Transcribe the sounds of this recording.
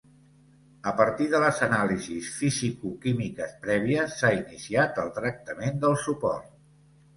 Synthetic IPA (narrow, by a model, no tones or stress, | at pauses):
əpəɾt̪iðələzənalizisfizikukimikəspɾɛβ̞iəsːainisiat̪əlˠt̪ɾək̚t̪əmend̪əlˠsupɔ̰rt̪̚